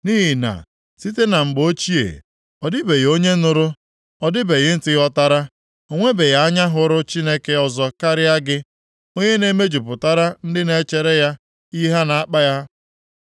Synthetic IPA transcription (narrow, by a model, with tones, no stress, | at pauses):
niː˦ɦi˨na̰˨ | si˦te˦na˨ŋ͡m̩˨ɡ͡bo˦t͡ʃi˦ḛ˨ | ɔ˨dɪ˦be˨ɣo˦ɲe˦nʊ˨ɾʊ˦ | ɔ˨dɪ˦be˨ɣɪ˦n̩˦tɪ˦ɣɔ˦ta˦ɾa˦ | o˦ŋʷe˦be˨ja˨a˦ɲa˦ɦʊ˦ɾʊ˦t͡ʃi˦ne˦ke˦ɔ˨zɔ˨ka˦ɾɪ˦ja˦ɡɪ˦ | o˦ɲe˦ne˨˦me˦d͡ʒu˨pʊ˨ta˦ɾa˦n̩˦dɪ˦ne˦t͡ʃe˨ɾe˦ja˦ | i˦ɦa˦na˨a˦k͡pa˦ja˦